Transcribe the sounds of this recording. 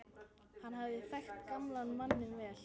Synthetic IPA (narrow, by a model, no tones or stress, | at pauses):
hanːɦavðɪfɛxt̪kamlanmanːɪnvɛːl̥